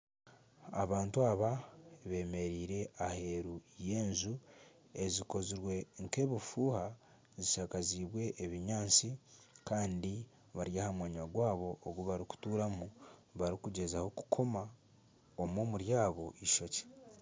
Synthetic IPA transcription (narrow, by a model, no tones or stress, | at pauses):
aβaːntuaβaβe̞ːme̞ɾiːɾe̞ʔahe̞ɾuje̞ːnzu | e̞ziko̞ziɾwe̞ŋke̞ːβifuːha | ziʃakaziːβwe̞ʔːβiɲaːnt͡sikaːndi | βaɾjaːhamwaːɲaɡwaːβo̞ʔːɡuβaɾiku̥tuːɾamuβaɾikuɟe̞zaho̞ku̥kʰo̞ma | omoːmuɾjaːβo̞ʔiʃo̞ce̥